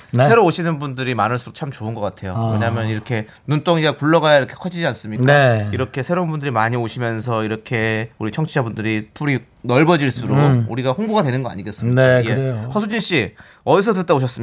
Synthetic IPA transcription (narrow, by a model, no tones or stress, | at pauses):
nsʰeɾooɕʰinɯnbundɯɾimanɯɭs͈uɾot͡ɕʰamt͡ɕoɯnɡʌk͈atʰe̞jowe̞ɲamjʌniɾʌkʰe̞ | nunt͈oŋiɡakuɭːʌɡajaiɾʌkʰe̞̥kʰʌd͡ʑid͡ʑians͈ɯmɲikaeiɾʌkʰe̞sʰe̞ɾounbundɯɾimaɲioɕʰimjʌnsʰʌiɾʌkʰe̞uɾit͡ɕʰʌŋt͡ɕʰiabundɯɾitʰuɾi | nʌɭbʌd͡ʑiɭs͈uɾouɾiɡahoŋboɡadwe̞nɯnɡʌa̰ɲiɡe̞s͈ɯmɲiaehʰʌsʰud͡ʑiɭɕ͈i | ʌdis̬ʰʌtɯt͈aoɕʰʌs͈ɯm